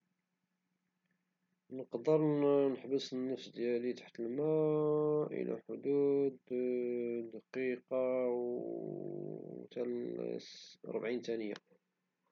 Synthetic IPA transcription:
nəqd̪əɾˤnəħbəsnːəfsd̪jælit̪ḁħt̪əlmæ | ʔḭlæ̰ħʊd̪ud̪ | d̪ɑqiqɑ | t̪æl | ɾˤbʕint̪ænəjæ̰

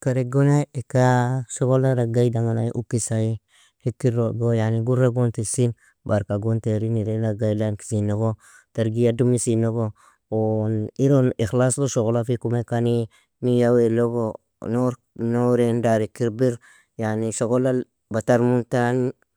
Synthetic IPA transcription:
kaɾeɡonaekasokolaɾaɡajdaŋanaʔukisaji | hekːiɾoɡojaniɡuɾaɡontisin | baɾkaɡonteɾiniɾelaɡajdanki̥sinoɡo | taɾɡiadumisinoɡo | oniɾonixlaslosokolafikumekani | nijaweloɡo | noɾ | noɾendaɾikiɾbiɾ | janisoɡola | bataɾmuntan

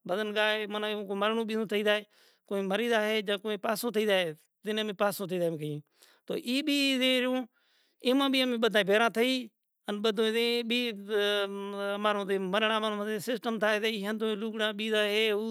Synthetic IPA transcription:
ɓəd̪ənɠaːeːmənãːkoməɾɳõːɓĩːt̪ʰəiːd̪aːeː | koːĩːməɾĩːd̪aːɦeːd͡ʒãːkoːẽːpaːsõːt̪ʰəiːd̪aːɦeː | d̪ɪnmẽːpaːsõːt̪ʰəiːd̪ãːkəĩː | t̪o̰ːʔiːɓiːzẽːɾjõː | ɪːmãːɓiːəmẽːɓəd̪ʱaːbʱeːɾãːt̪ʰəiː | ənɓəd̪ʱõːẽːɓiː | maːɾõːd̪eːməɾɳãːmaːɾõeːsɪsʈəmt̪ʰaːeːd̪əiːɦənd̪õːluːkɽãːɓiːzaːɦeː

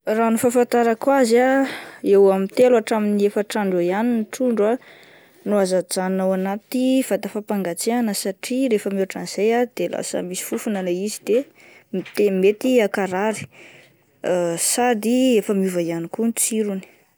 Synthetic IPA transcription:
ranufafant̪aɾakwazaewamit̪elaʈ͡ʂaminiefaʈ͡ʂaɳɖ͡ʐoianiniʈ͡ʂuɳɖ͡ʐa | nuazad͡zanawanat̪iv̥at̪afapaŋɡat͡seanəsaʈ͡ʂiɾefəmuaʈ͡ʂaniz̥ejad̪ela̰sə̰misi̥fufunəleizid̪e | mt̪emet̪iakaɾaɾi̥ | sad̪iefəmiuvaijanikunt͡siɾuni̥

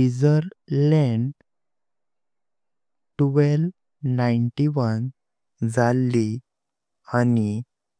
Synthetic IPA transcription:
id͡zəɾlɛ̃ɳɖ | ʈuʋel | naiɳʈiʋən | d͡zalːi | ani

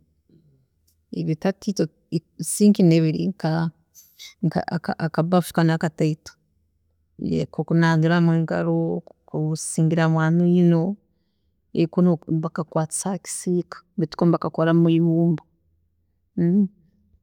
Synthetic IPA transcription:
eβotatito | siːŋkineβiɾḭŋka | ŋka̰kaakaβauʃi̥kanakataitḁ | jḛkokunaːndiɾamweːŋɡaɾokusiːŋɡiɾamwaːnojino | ekonoβakakwaːt͡si̥saki̥siːkḁβiti̥kombakakoɾamuiβuːmbo

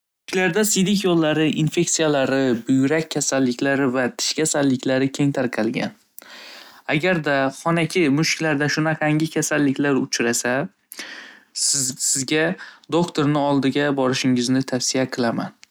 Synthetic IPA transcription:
ʊʊkʲlaɾd̪asɪjd̪ɪk̬ʲjɒlˠːaɾɪʔinfe̞ksijalaɾɪbʊjɾakʲʰːasalːɪkʲʰlaɾɪvat̪ʰɪ̥ʃkʲʰasalːɪkʲʰlaɾɪkʲʰe̞ŋt̪ʰaɾqʲʰɑlˠɡʲa̰n | aɡʲaɾd̪aχɒnakʲʰɪmʊʃkʲlaɾd̪aʃʊnaqʰaŋɡʲɪkʲʰasalːɪkʲlaɾʊ̰t͡ʃʰɾasa | sɪzɡʲad̪okt̪ʰoɾnɪɒlˠd̪ɪɡʲabɒɾɪʃɪŋɪznɪt̪ʰafsijaqʰɨlˠama̰n

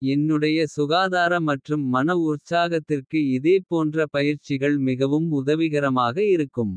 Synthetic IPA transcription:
ɛnːɯɽɐjɐsʊɣaːðaːɾɐmɐʈrɯmːɐnɐʊɾt͡ʃaːɣɐt̪ːɪrkɯɪðeːpoːndrɐpɐjɪɾt͡ʃɪɣɐɭmɪɣɐʋɯmʊðɐʋɪɣɐɾɐmaːɣɐɪɾɯkːɯm

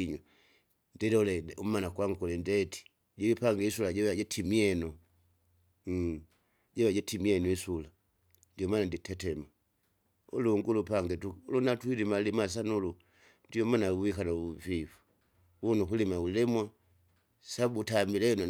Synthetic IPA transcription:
iɲwa | ndɛdulɛumanakwaŋkulɛndɛti̥ | ɟilipaŋɡɛisulaɟɛwaɟɛtʰimiɛnɔ | ɟɛwaɟɛtimiɛnɔisula | ndiɔmaːnanditɛtɛma | ṵluŋɡulupaŋɡɛtuulunatwilimalimas̬anulu | ndiɔmanauwikanauvivu̥ | wunukulimaulɛmwa | sabutamilɛnɔ

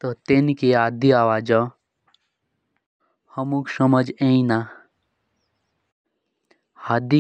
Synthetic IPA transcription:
t̪ot̪enikeaːd̪iaːʋaːd͡ʒã | hɐmũksəməd͡ʒẽĩna | had̪i

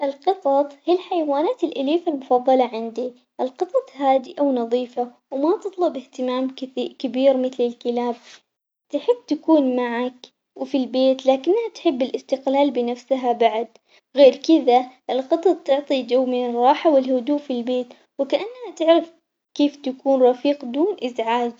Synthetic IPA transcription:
ʔɪlqɨt̪ˤɑt̪ˤhilħajawaːnaːt̪ɪlʔaliːfalmʊfɑðˤːɑlɑʕɪnd̪i | ʔɪlqɨt̪ˤɑt̪ˤhaːd̪ɪʔawnɑðˤiːfa | wmat̪ɨt̪ˤlʊbɪht̪ɪmaːmkɪbiːɾmɪθlɪlkɪlaːb̚ | t̪ɪħɪbːt̪akuːnmaʕak | wɪfilbeːt̪laːkɪnːhat̪ħɪbːɪlʔɪst̪ɪqlaːlbɪnafsɦabaʕd̪ | ɣeːɾkɪðaʔɪlqɨt̪ˤɑt̪t̪ʊʕt̪ˤid͡ʒawːmɪnɪrˤːɑːħawɪlhʊd̪uːʔfilbeːt̪ | wɪkaʔanːhat̪ɪʕɾɪf | keːft̪akuːnɾˤɑfiːqd̪uːnʔɪzʕaːd͡ʒ

